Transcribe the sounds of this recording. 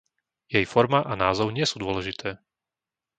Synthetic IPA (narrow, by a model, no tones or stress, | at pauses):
jɛjfɔɾmaʔanaːzɔʊɲɪɛsuːd̪ʊɔlɛʒit̪ʰɛː